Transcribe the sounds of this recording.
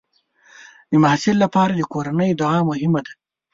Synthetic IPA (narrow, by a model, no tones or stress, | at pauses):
d̪əmahsɪllːapɑːɾad̪əkoɾanəjd̪ʊɑmʊɦɪmad̪a